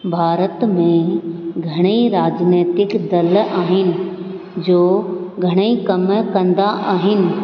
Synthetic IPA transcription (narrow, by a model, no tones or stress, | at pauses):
bʱaːɾət̪mẽɡʱɐɽ̃eiɾaːd͡ʑneːt̪ɪkd̪ɐlaːɦɪnɪ̆ | d͡ʑoːɡʱɐɽ̃eikɐmkɐ̃nd̪aʔaːɦɪnɪ̆